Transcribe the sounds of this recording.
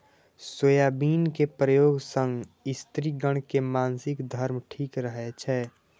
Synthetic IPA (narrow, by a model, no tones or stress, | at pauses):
sojaːbiːnkepɾəjoːɡsə̃ŋɡɪst̪ɾiɡəɽ̃kemaːnsɪkd̪ʱəɾmʈʰiːkɾəɦɛt͡ʃʰɛ